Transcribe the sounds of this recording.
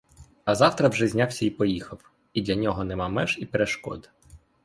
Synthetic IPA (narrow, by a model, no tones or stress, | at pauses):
ɐzɑwt̪ɾɐwʒɛzʲnʲawsʲɐipɔjixɐw | id̪lʲɐnʲɔɦɔnɛmɑmɛʒipeɾeʃkɔ̰d̪